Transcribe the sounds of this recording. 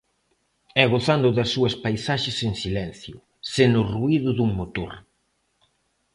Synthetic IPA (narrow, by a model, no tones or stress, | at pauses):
ɛɣoθand̪ʊðɐsːuɐspajsaʃeseŋsilɛn̟θjʊ | senʊruiðʊðuŋmot̪o̰ɾ